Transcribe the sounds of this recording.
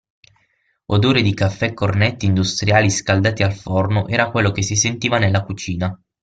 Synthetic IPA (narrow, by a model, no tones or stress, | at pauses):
od̪oːɾed̪ikafːɛkːornet̪ːiːnd̪ust̪ɾjaːliskald̪aːt̪ialfornoʔɛːɾakwelːokesːisent̪iːvanelːakut͡ʃiːna